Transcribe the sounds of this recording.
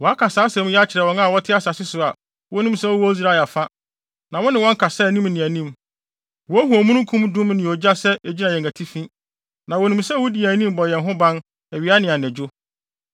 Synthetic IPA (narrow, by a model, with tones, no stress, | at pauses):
wɔ˨a˦kʰa˨saː˨˦sɛ̃˨˦m˦jɛ˦a˦t͡ɕʰɪ˨ɾɛ˨wɔ̃˦ŋa˦˨wɔ˦tʰɪ˦a˦sa˨sɪ˦sʊ˨a˨ | wɔ˦nũ˦m˦sɛ˦wɔ˦wɔ˦zɾa˦˨a˨fa˦ | nã˨wɔ̃˦nɪ̃˨wɔ̃˦ŋ̩˦kʰa˨sɛ˦˨nĩ˦mnɪ̃˨æ˨nĩ˦˨m | wɔ˦hu˨o˨mũ˦nʊ̃˦kʰũ˦mdʊ̃˦mnɪ̃˨ɔ˨d͡ʑa˦sɛ˦e˨d͡ʑi˦nã˨jɛ̃˨ŋæ˨tʰi˦fĩ˦ | nã˨wɔ˨nũ˨msɛ˦wɔ˦di˨æ˨nĩ˦m˦bɔ˨jɛ̃˨nɦʊ̃˦bã˦n | æ˨ɥi˨˦a˦nɪ̃˨a˨nɛ̃˨d͡ʑʊ˦